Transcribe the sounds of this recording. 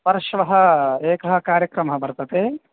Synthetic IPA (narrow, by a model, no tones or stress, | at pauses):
pɐɾɐʃʋɐɦɐeːkɐɦɐ̆kaːɾjɐkɾɐmɐɦɐbɐɾt̪ɐt̪eː